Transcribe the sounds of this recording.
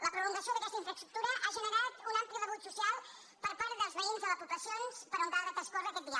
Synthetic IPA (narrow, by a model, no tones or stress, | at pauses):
ləpɾuluŋɡəsjoðəɐkɛst̪əiɱfɾəst̪ɾuk̚t̪uɾəʔaʒənəɾat̪unampliərəβut̪susialˠ | pəɾpaɾ̚d̪əlˠzβəinzðələpupləsionspəɾunt̪aɾat̪əskoɾðəkɛt̪̚b̪ia̰